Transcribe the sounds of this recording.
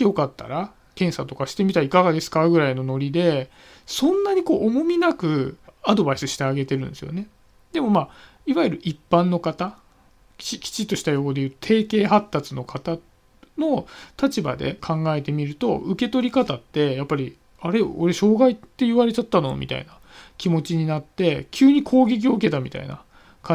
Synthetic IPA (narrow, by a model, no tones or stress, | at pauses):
jo̞kat̪ːa̰ɾa | kẽ̞ɰ̃sat̪o̞kaɕi̥t̪e̞mʲit̪aikaɡad̪e̞sɨ̥kaɡɯ̟ɾaino̞no̞ɾʲid̪e̞ | sõ̞nːaɲ̟iko̞ːʔmo̞mʲinakɯ̟ad̪o̞baisɨɕi̥t̪eaɡe̞t̪e̞ɾɯ̟nesɨjo̞̰ne̞ | d̪e̞mo̞maː | iβaiɾɯ̟ʔipːãnːo̞kat̪a | kʲikʲi̥t͡ɕit̪ːo̞ɕi̥t̪ajo̞od̪e̞jɯt̪o̥t̪ʰe̞ːke̞ːɦat̪ːat͡sɨno̞kat̪a | no̞t̪at͡ɕiba̰d̪e̞̰kʰãŋɡae̞t̪e̞mʲiɾɯ̟t̪o̞̰ɯ̟ke̞t̪o̞ɾʲikat̪at̪ːe̞japːaɾʲi | aɾe̞o̞ɾe̞ɕo̞ːɡait̪ːe̞iβaɾe̞t͡ɕat̪ːano̞̰mʲḭt̪a̰ḭna | kʲimo̞t͡ɕiɲ̟inat̪ːe̞kʲɨːɲ̟ikʰo̞ːɡʲe̞k̬ʲio̞ɯ̟ke̞t̪amʲḭt̪a̰ḭna̰ | kã